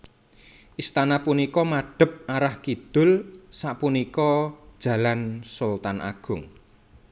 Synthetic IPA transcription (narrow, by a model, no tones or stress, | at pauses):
ʔist̪anapunikɔmaɖ̥ə̤p̚aɾahkid̪̥ʊ̤lsaʔpunikɔ̥ʒ̥ä̤lansolt̪anʔa̰ɡ̥ʊ̤ŋ